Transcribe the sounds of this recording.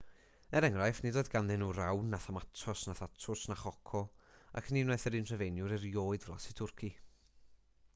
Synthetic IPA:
ɛɾɛŋrajfnidoːdɡanðɪnuːɾawnːaθamatʰrɔsnaθatʰrʊsnaχɔkʰɔa̰kʰniːnwɛθəɾinr̥əvejnjʊɾiɾjoːɨdvrɔ̰sitʰʊrkʰi

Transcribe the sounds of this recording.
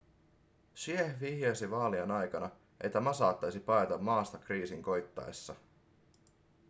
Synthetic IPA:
ʃiehʋihjosiʋɑːlienɑjkɑnɑ | ʔet̪ːæmɑsɑ̰ːt̪ːɑjsipɑjt̪ɑmːɑːst̪ɑkriːsiŋko̞jt̪ːɑ̰ḛsːɑ

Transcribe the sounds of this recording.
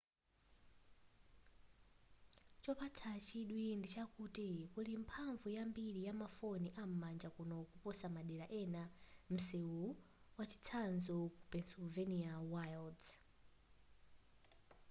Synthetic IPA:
t͡ʃɔpat͡sʰat͡ʃʰiɗwindit͡ʃakutikulimpʰaɱvujambiɾijamafoniʔam̩mand͡ʒakunɔkupɔsamaɗɛɾaʔɛnam̩sɛwu | wat͡ʃi̥t͡sʰanzɔkupɛnsulvɛniawajld

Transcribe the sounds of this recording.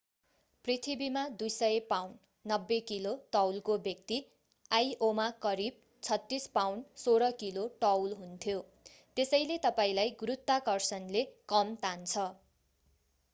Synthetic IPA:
prit̪ʰibimad̪ujsʌepawn | nʌbːekiloʈʌwlkobjʌk̚t̪i | ajomakʌɾib̚ | t͡sʰʌt̪ːispawnsoɾʌkiloʈʌwlɦunt̪ʰjo | t̪esʌjlet̪ʌpaĩlajɡuɾut̪ːakʌrsʌnlekʌmt̪ʰant͡sʰʌ

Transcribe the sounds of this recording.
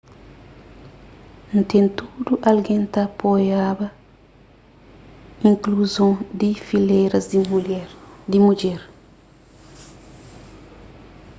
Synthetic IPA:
nt̪ẽntuduʔalɡẽntapojabɐ | ĩŋkluzõd̪ifilɛɾɐs | dimud͡ʒɛɾ

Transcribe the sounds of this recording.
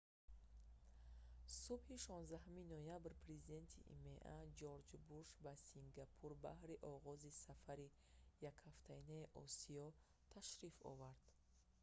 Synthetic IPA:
subhiʃɔnzd̪aɦuminɔjabɾpʰɾe̞zid̪e̞nt̪ʰiʔḭme̞ʔad͡ʒɔɾd͡ʒbuɾʃbasiŋɡapʰuɾbahɾiʔɔʁɔzisafaɾi | jakhaft̪ʰainaiʔɔ̰siɔ | t̪ʰaʃɾifɔ̰vaɾd̪̥

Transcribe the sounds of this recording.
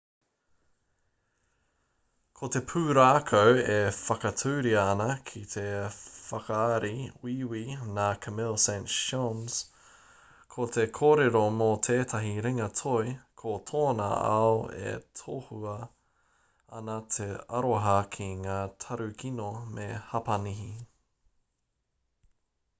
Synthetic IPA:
kʰot̪e̞pʰʉːɾaːkʰowefɐkɐtʰuːɾiɐːnɐkʰit̪ʰefɐkɐːɾiwiwinaːkʰɐmɪlsɛ̃ntʃonz̥ | kʰot̪ʰekʰoːɾeɾomot̪ʰeːt̪ʰɐɦiɾiŋɐtʰojkʰotʰoːnɐ̰a̰oḛt̪ʰohuɐ | ɐnɐt̪ʰeɐɾoɦɐkʰiŋaːt̪ʰɐɾʉkinomehɐpɐniɦi

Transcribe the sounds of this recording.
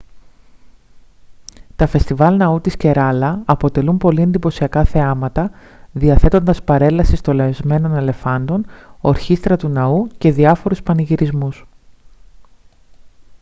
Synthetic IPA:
t̪ɐfe̞st̪ivɐlnɐut̪isce̞ɾɐlɐɐpo̞t̪e̞lumpo̞lie̞nd̪ipo̞siɐkɐθeɐmɐt̪ɐ | ðiɐθe̞t̪o̞nd̪ɐspɐɾe̞lɐsist̪o̞lezme̞no̞ne̞le̞fɐnd̪o̞noɾçist̪ɾɐt̪unɐuce̞ðiɐfo̞ɾuspɐniʝiɾizmus

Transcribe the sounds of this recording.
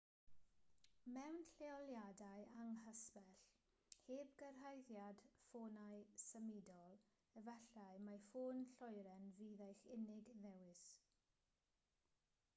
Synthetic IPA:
mɛwnɬeɔljadajaŋɦəspɛɬ | heːbɡərɦajðjad̥foːnajsəmɪdɔlˠ | əvɛɬajmafoːnɬɔjɾɛnviðajxɪnɪɡðɛwɪs

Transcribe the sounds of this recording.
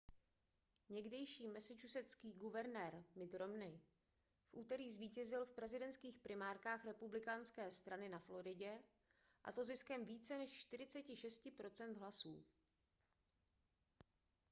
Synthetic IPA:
ɲɛɡdɛjʃiːmɛsɪt͡ʃusɛskiːɡuvɛɾnɛːɾmɪd̪ɾo̞mnɪ | fʔuːt̪ɛɾiːzviːcɛzɪlfpɾɛzɪdɛnt̪skiːxpɾɪmaːɾkaːxɾɛpublɪkanskɛːst̪ɾanɪnaflo̞ɾɪɟɛ | ʔa̰t̪o̞zɪskɛmviːt͡sɛnɛʃt͡ʃt̪ɪɾɪt͡sɛcɪʃɛscɪpɾo̞t͡sɛnd̪ɦlasṵː

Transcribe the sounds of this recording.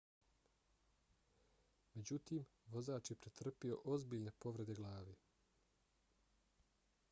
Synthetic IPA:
me̞d͡ʑut̪iːmʋo̞zaːt͡ʃjepɾet̪r̩pio̞̰ʔo̞zbiːʎne̞po̞ʋɾe̞d̪eɡlˠaːʋi

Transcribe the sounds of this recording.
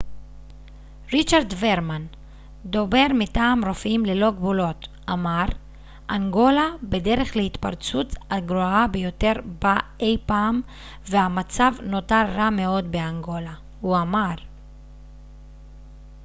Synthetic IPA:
ʁit͡ʃaʁd̪ve̞ʁman | d̪o̞be̞ʁmitaːmʁo̞fimleloɡbulo̞t | amaʁ | ʔaŋɡo̞labe̞de̞ʁe̞χleit̪pa̰ʁt͡sut͡saɡɾoabe̞jo̞te̞ʁbaejpaːm | vehamat͡savno̞taɾːame̞o̞d̪be̞aŋɡo̞la | huamaʁ

